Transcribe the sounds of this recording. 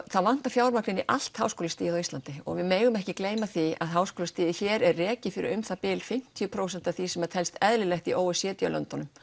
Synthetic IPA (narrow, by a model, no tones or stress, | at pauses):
θaðvan̥t̪afjaːwɾmaklɪniʔa̰l̥t̪haːwskoːlɪst̪iːjɪðɔwist̪ant̪ɪɔ̰ɣvɪmeːjɣʏmɛhcɪkleːjmaθia̰ðɦaːwskoːlst̪iːðɪçɛːɾɛrrɛːcɪfɪɾɪ̰ʏmθapɪːlfɪm̥t̪ʰiʏpʰɾowsɛn̥t̪aθisɛmɛt̪ʰɛlst̪ɛðlɪlɛxt̪iʔoːwɪsjɛːt̪ja̰lœ̰nt̪ɔnʏm